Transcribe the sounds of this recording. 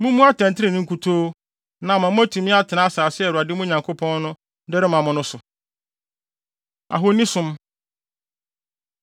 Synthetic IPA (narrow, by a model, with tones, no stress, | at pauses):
mũ˦mũ˦a˦tʰɛ̃˨n˨tʰɪ˦ɾɪ̃˨nʊ̃˦kʰu˨tʰoː˦ | nã˨mã˨mʊ̃˦æ˦tʰũ˨mĩ˦a˦tʰɪ˨nã˦a˦saː˨sɪ˦ɛ˨ɾa˨dɪ˦mũ˦ɲã˨ŋkʰo˦pʰɔ̃˦n˦nʊ̃˦ | dɛ˦ɾɪ˦mã˨mʊ̃˦nʊ̃˦sʊ˨ | a̰˨ɦo˦nĩ˦sʊ̃˦m